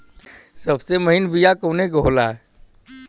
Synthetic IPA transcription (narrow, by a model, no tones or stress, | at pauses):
sɐbseməɦɪnbijakoːneɡolaːɦɛ